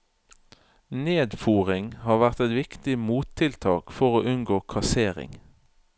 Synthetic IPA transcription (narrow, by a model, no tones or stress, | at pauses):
neːd̪fuːʁɪŋhɑːʁʋæʁt̪ɛt̪ʋɪkt̪ɪmuːt̪ʰɪlt̪ʰɑːkfɔʁoːʔʉnɡoːkʰɑseːʁɪ̰ŋ